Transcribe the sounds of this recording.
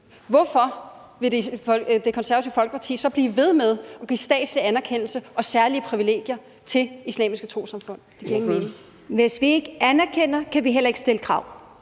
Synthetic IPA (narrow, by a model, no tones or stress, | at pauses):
ʋɒfɒ̽ | ʋe̝ded̥e̝kʰɒ̽nsæɐæt͡sʰiʊfɒ̽lɡ̥ə̥pʰɑ̈t͡sʰḭːsɒ̽b̥liːʋe̝ð̞ˠmeð̞ˠɒ̽ɡ̥iːsd̥ɛ̰ːd̥sliænæɐkʰen̰l̩səɒ̽sæɐliəpʰʁiʋile̝̰ːɡ̥jɐ | t͡sʰe̝lislɛ̰ːmisɡ̥ət͡sʰʁo̝̰ːsɑ̈mfɔ̽n̰d̥e̥ɡ̥iɐeɡmenŋ | ʋe̝sʋie̝ɡ̥əænæɐkʰen̰ɐkʰæʋiɦel̰ɐe̝ɡ̥sd̥e̝ləkʰʁɑ̈ʊ̰